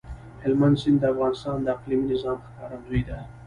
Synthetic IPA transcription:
hɪlmand̪sɪnd̪əafɣɑnɪst̪ɑnd̪əaqliminɪzɑmxkɑɾanzojd̪a

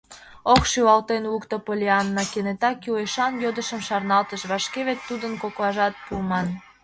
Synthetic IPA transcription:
oχʃywɑlt̪enlukt̪opolʲeɑnːɑkenet̪ɑkueʃɑnjod̪əʃə̆mʃɑrnɑlt̪əʃβɑʃkeβet̪ːud̪ənkoklɑʒɑt̪̚pumɑn

